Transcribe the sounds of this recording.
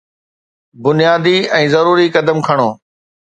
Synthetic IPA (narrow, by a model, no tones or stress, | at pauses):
bʊnijaːd̪iɛ̃ːzɐɾuːɾikɐd̪əmkʰɐɽ̃oː